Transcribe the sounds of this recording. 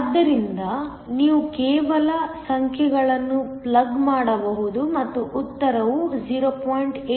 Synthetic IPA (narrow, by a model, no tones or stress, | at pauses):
d̪ːɐɾind̪ɐ | niːʋukɛːʋɐlɐsɐŋkʰjɛɡɐɭɐnːuplɐɡmaːɽɐbɐɦud̪umɐt̪ːuʔut̪ːɐɾɐʋud͡ʒiːɾoːpoːjɳʈː